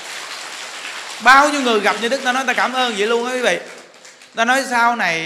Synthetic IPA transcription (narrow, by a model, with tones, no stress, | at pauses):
ɓaː˧wɲi˧wŋɨ˨˩əjɣa˨˩p̚ɲɨ˧ɗɨ˦˥k̚t̪aː˧nɔ˨˦t̪aː˧kaː˧˩mʔəː˧nzḭ˧˩˦lu˧ənʔaː˨˦kwi˨˦vḭ˧˨ | t̪aː˧nɔ˨˦jsaː˧wna˨˩j